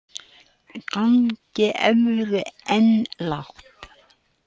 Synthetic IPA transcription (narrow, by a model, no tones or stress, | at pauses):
kaŋcɪʔɛmɾʏɛnlaxt̪